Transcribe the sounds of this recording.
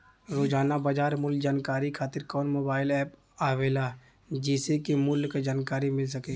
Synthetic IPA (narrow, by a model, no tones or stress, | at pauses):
ɾoːd͡ʒaːnabaːd͡ʒaːɾmʊld͡ʒaːnkaːɾikʰaːt̪ɪɾkɔːnmoːbaːɪlɛːp | aːʋeːla | d͡ʒɛːsekimʊlkad͡ʒaːnkaːɾimɪls̬ɐkeː